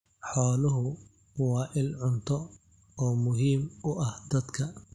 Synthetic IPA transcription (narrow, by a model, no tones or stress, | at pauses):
ħɔːlʊɦʊ | wɑːʔɪlʕʊnt̪ʰɔ | ɔːmʊɦiːmʊʔɐhd̪ɐd̪kʰɐ